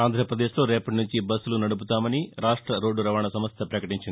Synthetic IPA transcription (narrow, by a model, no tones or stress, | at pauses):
aːnd̪ɾɐpɾɐd̪e̞ːʃlo̞ːɾeːpɐʈinuɲt͡ʃibɐsːulunɐɽup̬ut̪aːmɐniɾaːʂʈɾɐɾo̞ːɖːuɾɐʋaːɳɐsɐmɐst̪ʰɐpɾɐkɐʈiɲt͡ʃini